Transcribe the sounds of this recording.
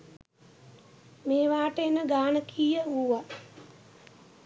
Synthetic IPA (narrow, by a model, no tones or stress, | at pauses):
meːʋaːʈeːnəɡaːnəkʰiːjəuːʋa